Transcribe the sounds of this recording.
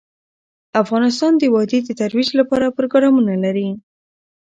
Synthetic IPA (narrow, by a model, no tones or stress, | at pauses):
afɣɑnɪs̬t̪ɑnd̪əwɑd̪ed̪ət̪aɾwid͡ʒlapɑɾapɾoɡɾɑmunalaɾi